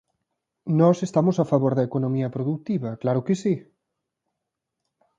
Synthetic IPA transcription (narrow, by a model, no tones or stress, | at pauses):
nɔsest̪amʊsafaβoɾðɐekonõmiɐpɾoðut̪iβɐklaɾʊkɪsi